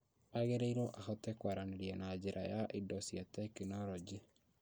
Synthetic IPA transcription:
aɣeɾeiɾɔʔahɔtɛkwaɾaneɾiɛnad͡ʑeɾʔajaʔidɔsiatɛkinɔɾɔd͡ʒi

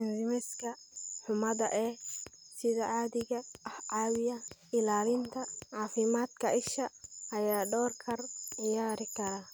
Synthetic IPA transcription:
ndɪmɛskʰɐħʊmɐðɐʔɛː | sɪðɐʕɑːðɪɣɐɐhʕɑːwɪjɐɪlaːlɪnt̪ʰɐʕɑːfɪmaːd̪kʰɐɪʃɐʔɐjaːɖɔːrkʰɐrʕɪjaːɾɪkʰɐɾaː

